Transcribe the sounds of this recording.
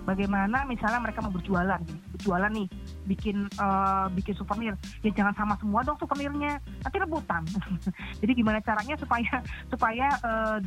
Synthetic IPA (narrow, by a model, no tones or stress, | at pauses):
baɡajmanamisalɲaməɾekamabərd͡ʒualanbərd͡ʒualanːɪh | bikɪnəːbikɪnsufərnɪr | jaŋd͡ʒaŋansamasəmuadɔŋsufərnɪrɲa | nat̪iləbut̪aŋd͡ʒadiɡimanat͡ʃaɾaɲasupajasupajaʔə